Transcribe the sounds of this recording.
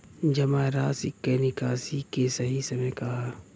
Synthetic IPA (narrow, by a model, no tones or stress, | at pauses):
d͡ʒɐmaːɾaːsikːenikaːsikesɐɦisɐmɛkɐɦaː